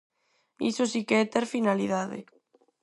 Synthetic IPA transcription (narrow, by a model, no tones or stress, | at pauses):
ḭsosikeɛt̪eɾfinaliðaðɪ̰